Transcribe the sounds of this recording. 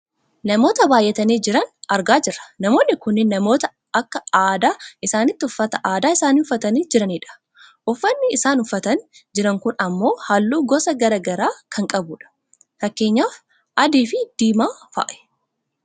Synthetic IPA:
nɐmo̞ːt̪ɐbaːjʔɛt̪ɐniːd͡ʒɪɾɐnɐɾɡaːd͡ʒɪrːɐ̥nɐmo̞ːnːɪkʊnːɪːɐmo̞ːt̪ɐ | ɐkːɐaːd̪aːʔɪsaːnɪt̪ːɪʊfːɐt̪ɐʔaːd̪aːɪsaːniːʊfːɐt̪ɐniːd͡ʒɪɾɐniːᶑɐ̥ | ʔʊfːɐnːɪːsaːnʊfːɐt̪ɐnd͡ʒɪɾɐŋkʊnɐmːo̞ːhɐlːuːɡɔsɐɡɐɾɐɡɐɾaːkʰɐŋkʼɐbuːᶑɐ̥ | fɐkːe̞ːɲːaːf | ʔɐd̪iːfɪd̪̥iːmaːfa̰ːʔɛ̥

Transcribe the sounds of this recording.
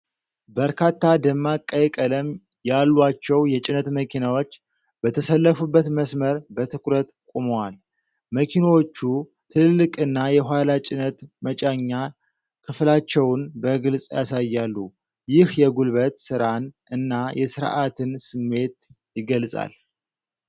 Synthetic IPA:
bəɾkʰat̪ʰːad̪əmːakʼːəjkʼələm | jalːwat͡ʃːɛwjɛt͡ʃʼɪnət̪məkʰinawo̞t͡ʃː | b̥ət̪ʰəsəlːəfubːət̪məsməɾbət̪ʰɨkʰʼɾət̪kʷʼumowal | məkʰinawo̞t͡ʃːu | t̪ʰɨllːɨkʼɨnːajɛɦʷalat͡ʃʼɪnət̪mət͡ʃʼaɲːa | kʰɨflat͡ʃːɛwnbəɡɨlsʼja̰sajːalːu | jɪhjɛɡulβət̪sɨɾanʔɨnːajɛsɨɾʔat̪ʰɨnsɨmːe̞t̪ | jɪɡəlsʼa̰l

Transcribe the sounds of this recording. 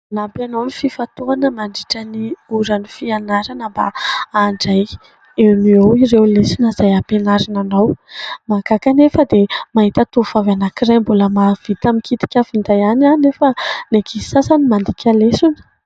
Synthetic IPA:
napanawnififat̪uanəmaɳɖ͡ʐiʈ͡ʂaniuɾanifianaɾanəmba̰aɳɖ͡ʐaj | ewmiowirewlesunazajapenaɾananawmakakanefəd̪emaɦit̪at̪ufavanakirajmbuləmav̥it̪amikit̪i̥kʲafind̪ajananefənekʰi̥sasanimand̪ikʲalesunə̥

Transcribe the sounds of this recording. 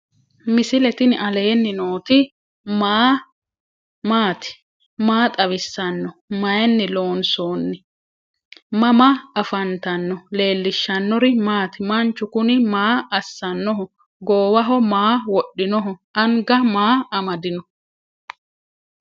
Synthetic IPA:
mɪsɪlɛt̪ɪnʔɐle̞ːnːɪnoːt̪ɪ | maː | maːt̪ɪ̥ | maːt̪ʼɐβɪsːɐnːɔmɐjɛnːɪlo̞ːnsoːnːɪ | mɐmɐɐfɐnt̪ɐnːɔle̞ːlːɪʃːɐnːɔɾɪmaːt̪ɪmɐnt͡ʃːʊkʊnɪmaːɐsːɐnːɔɦʊ | ɡoːwɐɦɔmaːwɔɗːɪnɔɦʊʔɐŋɡɐmaːɐmɐd̪ɪnɔ

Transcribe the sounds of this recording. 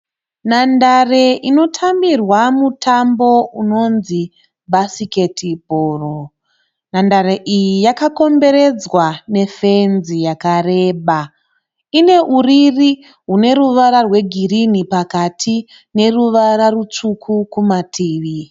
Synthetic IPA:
nandareʔino̞tʰambirwamutʰambo̞uno̞nzi | basike̞tʰibʱoːro | nandaɾeʔijijakako̞mbe̞ɾe̞d͡zwane̞fe̞nzijakare̞ːɓa | ine̞ʔuriri | ɦune̞ɾuʋaɾarwe̞ɡʱirinipakatʰi | ne̞ruʋaɾarut͡ʂukʰukumatʰiːʋi

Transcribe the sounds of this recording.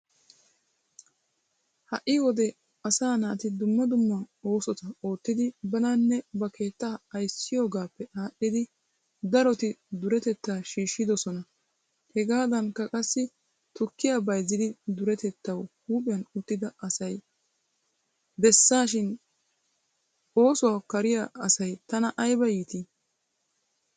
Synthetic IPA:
hɐʔːɪwɔd̪ɛ | ɐsaːnaːt̪ɪd̪ʊmːɐd̪ʊmːɐo̞ːsɔt̪ɐo̞ːt̪ːɪd̪ɪbɐnanːɛbɐkʰe̞ːt̪ːaɐjsɪjoːɡaːpːɛʔaːʔːɪd̪ɪ | d̪ɐɾɔt̪ɪd̪ʊɾɛt̪ɛt̪ːaːʃiːʃːɪd̪ɔsɔnɐ | hɛɡaːd̪ɐnkɐkʼɐsːɪ | t̪ʊkːɪjabɐjzɪd̪ɪd̪ʊɾɛt̪ɛt̪ːɐwhuːpʼɪjɐnʊt̪ːɪd̪ɐɐsɐj | bɛsːaːʃɪn | o̞ːsɔwaːkɐɾɪjaɐsɐjt̪ɐnɐʔɐjbɐjiːt̪i

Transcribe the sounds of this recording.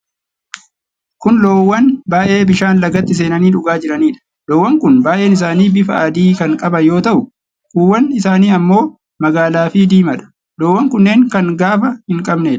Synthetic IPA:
kʊnlo̞ːwːɐnbaːʔe̞ːbɪʃaːnlɐɡɐt̪ːɪs̬e̞ːnɐniːᶑʊɡaːd͡ʒɪɾɐniːᶑɐ̥ | loːwːɐŋkʊnbaːʔe̞ːnɪs̬aːniːbɪfɐɐd̪iːkɐŋkʼɐbɐjo̞ːt̪ɐʔʊ | kuːwːɐnɪsaːniːɐmːo̞ː | mɐɡaːlaːfid̪iːmɐᶑɐ̥ | lo̞ːwːɐŋkʊnːe̞ːŋkɐŋɡaːfɐhɪŋkʼɐbneːᶑ

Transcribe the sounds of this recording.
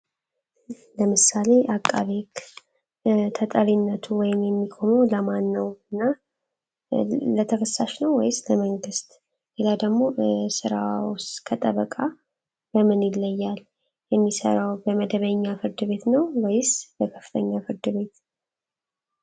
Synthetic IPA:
ləmɨsale̞ʔakʼːa̰βek | t̪ʰət̪ʼəɾinːət̪ʰuwɔjɪmjɛmːiɡʰomoləmanːəwɨnːa | lət̪ʰəkʰəsːaʃnəwːɔjɪsləməŋɡɨst̪ | lelad̪əɡmo̞sɨɾawskʰət̪ʼəβəkʼa | bəmɨnjɪlːəjːal | jɛmːisə̰ɾawbəməd̪əβəɲːafɨɾd̪ɨβe̞t̪nəwwɔjɪsbəkʰə̥fːɨ̥t̪ʰəɲːafɨɾd̪ɨβe̞t̪

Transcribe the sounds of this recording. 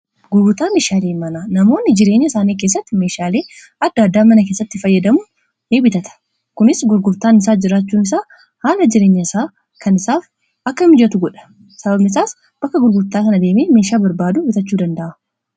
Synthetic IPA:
ɡʊɾɡʊt̪aːmeːʃaːleːmɐnanɐmo̞ːnːɪd͡ʒɪɾe̞ːɲːɐsaːniːke̞ːs̬ːɐt̪ːɪmeːʃaːle̞ː | ɐd̪ːaːd̪ːaːmɐnɐke̞ːsːɐt̪ːɪfɐjːɐd̪ɐmʊ | eːbɪt̪ɐt̪ɐ̥ | kʊnɪsɡʊɾɡʊɾt̪aːnɪs̬aːd͡ʒɪɾaːt͡ʃːuːnɪs̬aː | haːlɐd͡ʒɪɾe̞ːɲːɐɪsaː | kʰɐnɪsaːf | ɐkːɐmɪd͡ʒɐt̪ʊɡɔᶑɐ̥ | sɐbɐbnɪs̬aːs | b̥ɐkːɐɡʊɾɡʊɾt̪aːkɐnɐd̪eːmeːmeːʃaːbɐɾbaːd̪ʊbɪt̪ɐt͡ʃːuːd̪ɐnd̪ɐʔa

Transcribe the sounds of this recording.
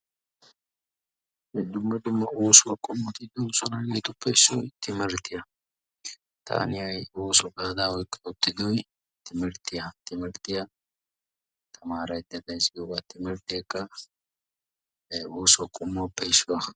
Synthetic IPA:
ɛd̪ʊmːɐd̪ʊmːɐoːsʊwɐkʼɔmːt̪ɪd̪oːsɔnɐɡeːt̪ʊpːɛɪsːɔjt̪ɪmɛɾt̪ːɪjɐ | t̪ʰa̰ːnɪhɐjoːsɔɡaːd̪aːwɔjkʼːɛʊt̪ːɪd̪ʊj | t̪ɪmɛɾt̪ːɪjɐt̪ɪmɛɾt̪ːɪjɐ | t̪ʰɐmaːɾɐjd̪ɐd̪ɐjsɪɡobat̪ːɪmɛɾt̪ɪɛkʼːɐ | oːsʊwɐkʼɔmːɔpːɛɪʃʊwɐ

